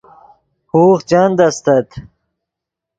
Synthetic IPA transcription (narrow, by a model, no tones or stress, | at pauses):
huːχt͡ɕɐnd̪ɐst̪ɐt̪